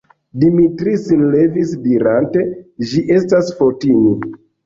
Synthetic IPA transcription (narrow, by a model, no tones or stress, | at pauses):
dimitɾisinlevisdiɾante̞ʒiʔe̞stasfotini